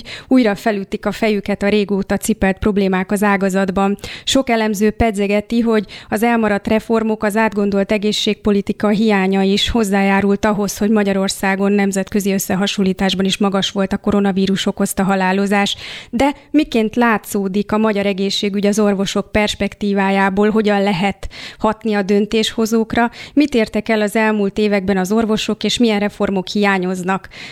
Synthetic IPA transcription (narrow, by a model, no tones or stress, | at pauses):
uːjɾɒfɛlyt̪ːikɒfɛjykɛt̪ɒɾeːɡoːt̪ɒt̪sipɛlt̪̚pro̞bleːmaːkɒzaːɡɒzɒd̪bɒnʃo̞kɛlɛmzøːpɛd̪zɛɡɛt̪iɦo̞ɟɒzɛlmɒɾɒt̪rɛfo̞rmo̞kɒzaːd̪ɡo̞nd̪o̞lt̪ɛɡeːʃːeːk̚po̞lit̪ikɒɦijaːɲɒiʃho̞zːaːjaːɾult̪ɒɦo̞sho̞ɟmɒɟɒɾo̞rsaːɡo̞nːɛmzɛt̪kø̞ziø̞sːɛɦɒʃolːiːt̪aːʒbɒniʃmɒɡɒʃʋo̞lt̪ɒko̞ɾo̞nɒviːɾuʃo̞kːo̞st̪ɒɦɒlaːlo̞zaːʃd̪ɛmikeːnt̪laːt̪soːd̪ikɒmɒɟɒɾɛɡeːʃːeːɡyɟɒzo̞rvo̞ʃo̞k̚pɛrʃpɛkt̪iːvaːjaːboːlɦo̞ɟɒnlɛɦɛt̪hɒt̪niɒd̪ø̞nt̪eːʃho̞zoːkrɒmit̪eːrt̪ɛkɛlɒzɛlmuːlt̪eːvɛɡ̚bɛnɒzo̞rvo̞ʃo̞keːʃmijɛnrɛfo̞rmo̞khijaːɲo̞znɒk